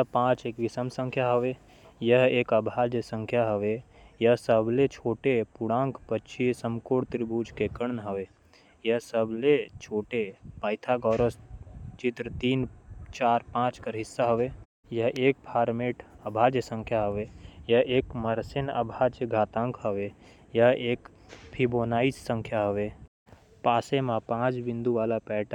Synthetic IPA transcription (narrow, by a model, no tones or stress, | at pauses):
jəɦpãːt͡ʃeːkʋɪsəmsə̃ŋkʰjaɦəʋe | jəɦeːkɐbʱaːd͡ʒjəsə̃ŋkʰjaɦəʋe | jəɦsəblet͡ʃʰoːʈepʊɽãːŋkpət͡ʃʰisəmkoːɽt̪ɾibʱuːd͡ʒkekəɳnɦəʋeː | jəɦsəblet͡ʃʰoːʈepaːɪt̪ʰaɡɔːɾəst͡ʃɪt̪ɾt̪iːnt͡ʃaːɾpãːt͡ʃkəɾɦɪsːaɦəʋeː | jəɦʔeːk̚pʰaːɾmeːʈəbʱaːd͡ʒjəsə̃ŋkʰjaɦəʋejɐeːkməɾsɪnə̰bʱaːd͡ʒəɡʱaːt̪ãːŋkʰɦəʋe | jaeːk | pʰiboːnaːissə̃ŋkʰjaɦəʋe | paːsemãpãːt͡ʃbɪ̃nd̪uʋaːlapɛːʈ